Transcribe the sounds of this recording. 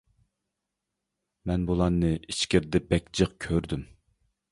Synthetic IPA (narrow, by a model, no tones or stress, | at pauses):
mɛnbolˠɑnːɨiʃkʲɪɾd̪ɛbɛkʲd͡ʒəq̚kʲʰøɾd̪ym